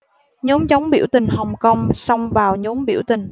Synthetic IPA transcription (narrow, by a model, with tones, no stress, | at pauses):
ɲo˨˦mt͡ɕɔ˨˦wŋ͡mɓḭ˧˩əwt̪ï˨˩ŋ̟hə˨˩wŋ͡mkə˧wŋ͡msɔ˧wŋ͡mvaː˨˩wɲo˨˦mɓḭ˧˩əwt̪ï˨˩ŋ̟